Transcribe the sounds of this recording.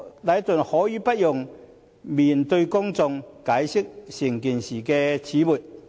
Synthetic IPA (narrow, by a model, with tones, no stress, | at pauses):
lɐ˨˥jt̪ɵ˨˩nhɔː˨˥jiː˨˧pɐ˦˥t̚jʊ˨ŋ | miː˨˩nt̪ɵ˧ɥkʊ˥ŋt͡sʊ˧ŋkaː˨˥jsɪ˥k̚sɪ˨˩ŋkiː˨˩nsiː˨˩kɛː˧t͡sʰiː˨˥muː˨˩t̚